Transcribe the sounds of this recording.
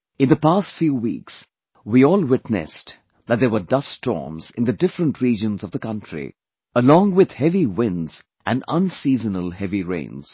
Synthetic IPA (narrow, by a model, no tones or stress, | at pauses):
ɨ̃nðəpastfjuːwḭːks | wiɔːlˠwɪtnɨ̰s | ðət̚d̪əwə˞dʌstɔ̰ːɹmz̥ɪ̃nðɨdɪfɾə̃nʈɹiːd͡ʒə̃nzʌvðəkʌ̃ntʰɹḭ | əlɔ̃ŋwɪð̥hɛviwɪ̃ndz̥ | ʔæ̃nʌ̰̃nsiːzənəlˠhɛviɹḛ̃ɪ̃nz̥